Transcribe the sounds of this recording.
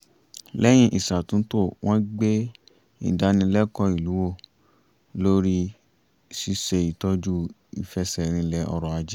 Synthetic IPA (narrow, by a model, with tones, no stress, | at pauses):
lɛ˦j̃ĩ˧ʔi˨sa˨tũ˨˦to˦˨w̃ʔɔ̃˦ɡ͡be˦ | ḭ̃˨da˨˦nĩ˧lɛ˦kɔ˧i˨lu˨˦wo˦˨ | lo˦ɾi˦ | si˧˦se˧i˨tɔ˧˦d͡ʒu˦ | i˨fɛ˧˦sɛ˨ɾ̃ĩ˧lɛ˧ʔɔ̰˧ɾɔ˨a˧d͡ʒɛ˦